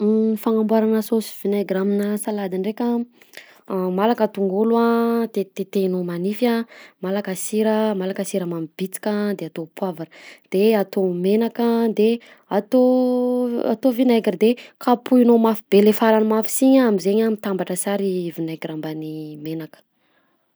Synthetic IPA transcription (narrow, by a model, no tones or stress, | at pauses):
faŋambwaɾanəsosi̥v̥inaɡraminəsalad̪iɳɖ͡ʐekʲa | malakət̪uŋɡuluat̪et̪et̪enomanifamalakasiɾəmalakəsiɾəmamib̥it͡si̥kʲad̪eat̪opwavaɾd̪̥eat̪omenakad̪e | at̪o | a̰t̪ovinaɡrd̪ekapuinomafib̥elefaɾanimafi̥siɲaamizeɲamit̪ambaʈ͡ʂəsaɾivinaɡrambanimenakə̥